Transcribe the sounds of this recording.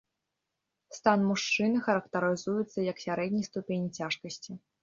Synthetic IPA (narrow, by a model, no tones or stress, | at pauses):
st̪anmuʂt͡ʂɨnɨxɐɾɐkt̪ɐɾɨzujut̪sːɐjɐksʲaɾɛdʲnʲijst̪upʲenʲit͡sʲaʂkɐsʲt͡sʲi